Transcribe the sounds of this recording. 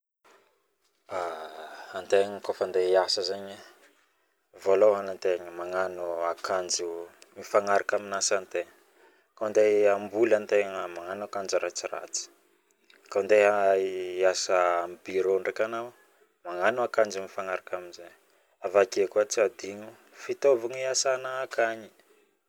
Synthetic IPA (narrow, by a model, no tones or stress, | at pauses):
a | ant̪eɲəkofand̪eiasəzaɲa | volowɦanant̪eŋəmaŋanuakʰand͡ʒumifaŋaɾakaminasant̪eŋə | kand̪eambulant̪eŋamaŋanakand͡ʒuɾat͡sira̰t͡si̥ | kaund̪eaasaambiɾoɳɖ͡ʐakanaw | maŋanuakand͡ʒumifaŋaɾakaminzaɲ | avakekuat͡sad̪iɲu | fit̪ovaɲiasanaːkʰaɲi̥